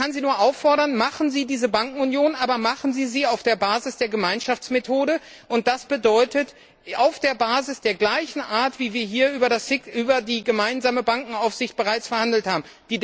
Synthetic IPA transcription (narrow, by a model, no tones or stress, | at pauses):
anziːnuːɐʔaʊfɔɐɾɐnmaχn̩ziːdiːzəbaŋkŋ̩unjoːnʔaːbɐmaχn̩ziːziːaʊfd̥eːɐbaːzɪsd̥eːɐɡəmaɪnʃaft͡smetʰoːɾə | ʔʊnt̚d̥asb̥ədɔʏtət | aʊfd̥eːɐbaːzɪsd̥eːɐɡlaɪçn̩ʔaːɐtv̥iːviːɐɦiːɐʔyːbɐdasɪkʔyːbɐdiːɡəmaɪnzaːməbaŋkŋ̩aʊfz̥ɪçt̚b̥əʁaɪt͡sfɛɐhandl̩thaːbm̩ | d̥iː